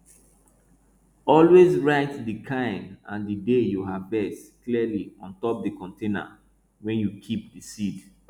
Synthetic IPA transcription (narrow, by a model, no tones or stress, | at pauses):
ɔlwezɹaɪtdikʰãɪ̃mã̰ndədejuɦavbɛskliəliɔ̰̃ntɔp̚dikɔ̃ntẽnə̰ | wɛ̃njukʰip̚dəsid